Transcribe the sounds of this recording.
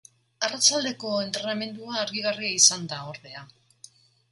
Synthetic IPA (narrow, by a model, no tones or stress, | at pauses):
arat͡ʃald̪e̞ko̞e̞nt̪ɾe̞name̞nd̪uaːɾɣiɣariaisand̪aoɾðe̞a